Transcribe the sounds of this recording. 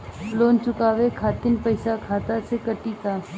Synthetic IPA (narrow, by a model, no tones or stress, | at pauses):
loːnt͡ʃʊkaːʋekʰaːt̪ɪnpɐɪsakʰaːt̪asekɐʈit̪aː